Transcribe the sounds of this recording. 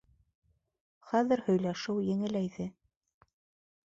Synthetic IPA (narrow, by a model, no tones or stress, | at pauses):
χæðɘ̆ɾhɵ̆jlæʃɘwjɘ̆ŋɘ̆læjðɘ